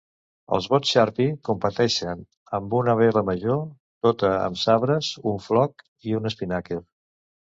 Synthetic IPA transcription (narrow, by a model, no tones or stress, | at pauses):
ə̰lˠzβot͡sʃaɾpikumpət̪ɛʃən | əmbunəβɛləməʒo | t̪ot̪əə̰msaβɾəzuɱflɔk | iunəspinakeɾ